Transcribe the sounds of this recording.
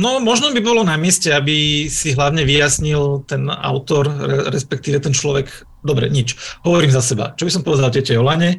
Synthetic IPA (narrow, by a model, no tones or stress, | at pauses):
nɔmɔʒnɔbibɔlɔnamɪɛscɛabisiɦlaʊɲɛʋijasɲilt̪ɛna̰ʊt̪ɔɾɛɾɛspɛk̚t̪iːʋɛt̪ɛnt͡ʃlɔʋɛɡ | d̪ɔbɾɛ̰ɲit͡ʃɦɔʋɔɾiːmzasɛba̰t͡ʃɔbisɔmpɔʋɛd̪alcɛcɛjɔlaɲɛ